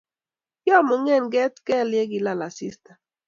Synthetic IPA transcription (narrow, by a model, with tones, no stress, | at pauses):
jɔ˦mo˨ŋe˦˨nɡɛ˦tkɛ˦˨lje˦ɡi˨la˨la˨si˦stḁ˨